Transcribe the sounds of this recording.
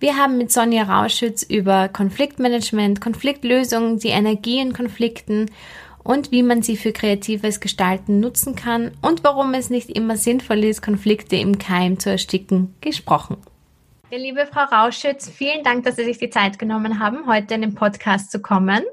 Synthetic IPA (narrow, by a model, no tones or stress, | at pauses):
viːɐɦaːbm̩mɪtz̥ɔnjaʁa̰ʊʃʏt͡sʔyːbɐkʰɔnflɪktmɛnɛd͡ʒmɛntkʰɔnflɪktløːzʊŋəndiːʔɛnɛɐɡiːɪnkʰɔnflɪktn̩ | ʔʊntv̥iːmanziːfyːɐkʁ̥eatʰiːvəsɡ̥əʃtaltn̩nʊt͡sn̩kʰanʔʊntv̥aʁʊmɛsnɪçtʔɪ̰mɐzɪnfɔlɪst̚kʰɔnflɪktʰəɪ̰mkʰaɪmt͡suɛɐʃtɪkŋ̩ɡ̥əʃpʁ̥ɔχn̩ | jaːliːbəfʁ̥aʊʁaʊʃʊt͡sfiːləndaŋk̚d̥asz̥iːzɪçd̥iːt͡saɪtɡ̥ənɔmənɦaːbm̩ɦɔʏtəɪndeːnpʰɔtkʰaːstt͡sukʰɔmən